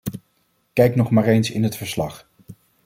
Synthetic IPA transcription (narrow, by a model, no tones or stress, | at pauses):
kɛjknɔχmaːɹejnsɪ̰nɦətfəɹslɑχ